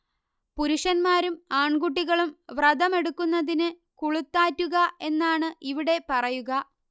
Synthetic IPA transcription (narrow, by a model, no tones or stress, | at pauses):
puɾuʂɐnmaːɾumaːɳɡuʈ̬ːiɣɐɭumʋrɐd̪ɐme̞ɽukːunːɐðinɨ | kuɭut̪ːaːtːuɣɐe̞nːaːɳɨʔiʋiɽe̞pɐrɐjuɣɐ